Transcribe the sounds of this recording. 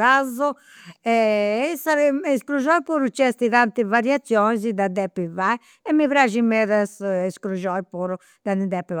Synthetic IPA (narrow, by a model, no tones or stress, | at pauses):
azɔ | ɛɛsaɾiiskɾuʒɔjpuɾut͡ʃːɛst̪iðant̪ivaɾjat̪sːjɔnzid̪ad̪ɛpːivai | ɛmːivɾaʒimɛðasɛskɾuʒɔjpɔɾu | d̪anid̪ɛpːi